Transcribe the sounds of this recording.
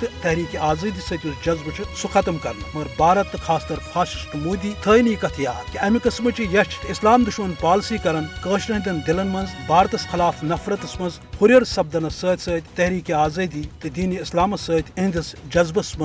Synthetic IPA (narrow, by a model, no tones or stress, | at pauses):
t̪ɨt̪ɐɦɾiːkiaːzɐd̪isəːt̪ʲusd͡ʒɐzbɨt͡ʃʰisuxɐt̪ɐmkɐɾnmɐɾbaːɾɐt̪ːɨkʰaːst̪ɐɾpʰaːʃi̥t͡ʃt̪muːd̪iːt̪ʰəːjniːkɐt̪ʰjaːk̪iɐmikɐsmɐt͡ʃʰijɐt͡ʃʰi̥t̪islaːmd̪uʃmɐnpaːlsiːkɐɾɐnkəːʃnɐɦd̪ʲɐnd̪ɪlɐnmɐnzbaːɾt̪ɐsxɪlaːfnɐfɾɐt̪ɐsmɐnz | huɾʲɐɾsɐb̚d̪ɐnɐsəːt̪ʲsəːt̪ʲt̪ɐɦɾiːkiaːzɐd̪iːt̪ɨd̪iːniislaːmɐsəːt̪ʲĩnd̪isd͡ʒɐzbɐsmɐ